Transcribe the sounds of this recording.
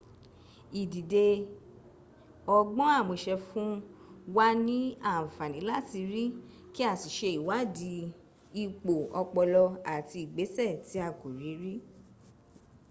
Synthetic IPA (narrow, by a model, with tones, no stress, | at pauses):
i˨di˨de˧ | ɔ˧ɡ͡bɔ̃˦a˦˨mõ˧ʃɛ˧fũ˦wa˦nĩ˦ã˦˨fa˨nĩ˨˦la˦˨ti˧ɾi˦ | ki˦a˦˨ti˨ʃe˧i˨wa˨˦di˨˧˦ | i˧k͡po˨ɔ˧k͡pɔ˧lɔ˧a˨ti˧i˨ɡ͡be˨˦sɛ˦˨ti˨˦a˦˨ku˨ɾi˨˦ɾi˦